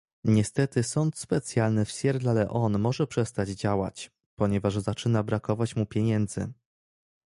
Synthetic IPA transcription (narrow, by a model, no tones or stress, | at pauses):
ɲɛst̪ɛt̪ɘsɔnt̪spɛt̪sʲjalnɘfɕjɛɾd̪lalɛʔɔnmɔʐɛpʂɛst̪ad͡ʑd͡ʑawa̰t͡ɕ | pɔɲɛvaʐzat͡ʂɘnabɾakɔvat͡ɕmupʲjeɲɛnd̪zɘ̰